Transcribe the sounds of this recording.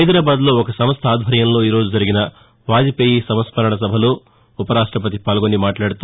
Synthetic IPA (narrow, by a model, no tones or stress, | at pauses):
ɦɐjd̪ɾaːbaːd̪lo̞ːɔkɐsɐmɐst̪ʰɐaːd̪ʱbʱɐɾjɐmlo̞ːiːɾo̞ːd͡ʒud͡ʒɐɾiɡinɐ | ʋaːd͡ʒ̪ipeːjisɐmɐspɐɾɐɳɐs̬ɐbʱɐloː | upɐɾaːʂʈɾɐp̬ɐt̪ipaːlɡo̞nimaːʈlaːɽut̪